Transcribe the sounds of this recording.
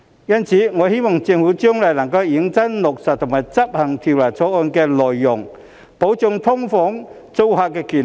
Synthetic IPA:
jɐ˥nt͡sʰiː˨˥ŋɔː˨˧he˥jmɔ˨˩ŋt͡sɪ˧ŋhuː˨˥t͡sœː˥ŋlɐ˨˩jlɐ˨˩ŋkɐ˧wji˨˥ŋt͡sɐ˥nlʊ˨k̚sɐ˨t̚t̪ʰʊ˨˩ŋmaː˨˩jt͡sɐ˥p̚hɐ˨˩ŋt̪ʰi˨wlaː˨˩t͡sʰɔː˨˥ɔː˧nkɛː˧lɔː˨jːʊ˨˩ŋ | po˨˥wt͡sʊ˧ŋt̪ʰʊ˥ŋfɔː˨˥ŋ | t͡so˧whaː˧k̚kːɛː˧kiː˨˩

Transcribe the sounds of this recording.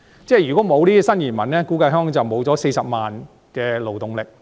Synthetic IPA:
t͡sɛː˥˩jyː˨˩kɔː˨˥mo˨˧wliː˥˧sɐ˥njiː˨˩nmɐ˨˩nɛː˥kuː˨˥kɐ˧jɦœː˥ŋt͡sɐ˨wmo˨˧wt͡sɔː˨˥se˧jsɐ˨p̚maː˨n | kɛː˧lo˨wt̪ʊ˨ŋlɪ˨k̚

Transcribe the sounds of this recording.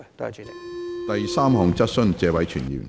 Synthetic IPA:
t̪ɐ˨jsaː˥mhɔ˨ŋt͡sɐ˥t̚sɵ˥nt͡sɛː˧wɐ˨˥jt͡ʃʰyː˨˩njḭː˨˩m

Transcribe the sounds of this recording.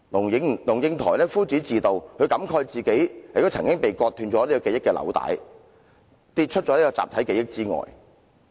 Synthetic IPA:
nʊ˨˩ŋ˧ŋlʊ˨˩ŋjɪ˧ŋt̪ʰɔ̰ː˨˩jlɛː˥fuː˥t͡siː˨˥t͡siː˨t̪o˨wkɵ˨˧ɥkɐ˨˥mkʰɔː˧jt͡siː˨ke˨˥jhɐ˨jto˥t͡sʰɐ˨˩ŋkɪ˥ŋpe˨jkɔː˧t̪ʰːyː˧nt͡sɔː˨˥liː˥kɔ˧ke˨˧jɪ˥kːɛː˧lɐ̰˨˧wt̪a̰ː˨˥j | t̪i˧t̚t͡ʃʰɵ˥t̚t͡ʃɔː˨˥liː˥kɔː˧t͡sa̰ː˨p̚t̪ʰɐ˨˥jke˨˧jɪ˥k̚t͡siː˥ŋɔ̰ː˨˩j

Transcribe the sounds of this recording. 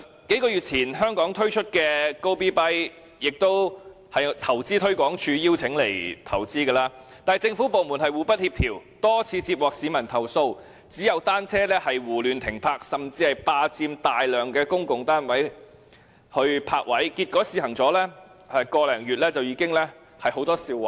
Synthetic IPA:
ke˨˥jkɔː˧jyː˨t̚t͡sʰiː˨˩nɦœː˥ŋkɔː˨˥ŋt̪ʰɵ˥ɥt͡ʃʰɵ˥t̚kɛː˧ko˥wpiː˥pɐ˥j | jɪ˨k̚t̪o˥w | hɐ˨jt̪ʰɐ˨˩wt͡siː˥t̪ʰɵ˥ɥkɔː˨˥ŋt͡ʃʰyː˨˧jiː˥wt͡sʰɪ˨˥ŋle˨˩jt̪ʰɐ˨˩wt͡siː˥kɛː˧laː˧˥ | t̪aː˨jt͡sɪ˧ŋfuː˨˥po˨wmu˨˩nɦɐ˨jwuː˨pɐ˥t̚hiː˧p̚t̪ʰiː˨˩wt̪ɔː˥t͡sʰiː˨˧t͡siː˧p̚wɔː˨k̚siː˨˧mɐ˨˩nt̪ʰɐ˨˩wso˧w | t͡siː˨˥jɐ˨˧wt̪aː˥nt͡sʰɛː˥lɛː˥hɐ˨jwuː˨˩lyː˨nt̪ʰɪ˨˩ŋpʰaː˧k̚sɐ˨mt͡siː˧hɐ˨jpaː˧t͡siː˧mt̪aː˨jlœː˨ŋkɛː˧kʊ˥ŋkʊ˨ŋt̪aː˥nwɐ˨˥j | hɵ˧ɥpʰaː˧k̚wɐ˨˥jkiː˧t̚kɔː˨˥siː˧hɐ˨˩ŋt͡sɔː˨˥lɛː˥ | ɛ˨˧kɔː˧lɛː˨˩ŋjyː˨t̚lɛː˥t͡sɐ˨wjiː˨˧˥kɪ˥ŋlɛː˥ | hɐ˨jho˨˥wt̪ɔː˥siː˧wɐ˨˩

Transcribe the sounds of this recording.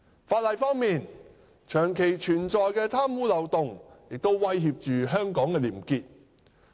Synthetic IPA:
faː˧t̚lɐ˨jfɔː˥ŋmiː˨n | t͡ʃʰœː˨˩ŋkʰe˨˩jt͡ʃʰyː˨˩nt͡ʃɔː˨˧jkɛː˧t̪ʰaː˥mwuː˨˥lɐ˨wt̪ʊ˨ŋjɪ˨k̚t̪o˥wwɐ˥jhiː˧p̚t͡ʃyː˨ɦœː˥ŋkɔː˨˥ŋkɛː˧liː˨˩mkiː˧t̚

